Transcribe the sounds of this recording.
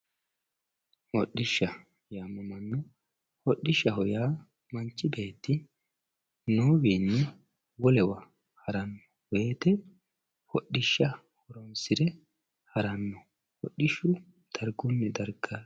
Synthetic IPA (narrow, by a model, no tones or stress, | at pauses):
hɔɗːɪʃːɐ | jaːmɐmɐnːɔ | hɔɗːɪʃːɐhɔjaː | mɐnt͡ʃːɪbe̞ːt̪ːɪ | noːwiːnːɛ | wɔlɛwɐ | hɐɾɐnːɔwe̞ːt̪ɛ | hɔɗːɪʃːɐ | hɔɾɔnsɪɾɛ | hɐɾɐnːɔ | hɔɗːɪʃʊ | d̪̥ɐɾɡʊnːɛd̪ɐɾɡa